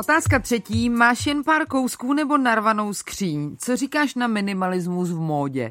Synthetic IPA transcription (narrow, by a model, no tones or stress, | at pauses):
ʔo̞t̪aːskat̪r̝̥ɛciːmaːʃjɛnpaːɾko̞wskuːnɛbo̞naɾvano̞wskr̝̥iːɲt͡so̞riːkaːʃnamɪnɪmalɪzmusvmo̞ːɟɛ̰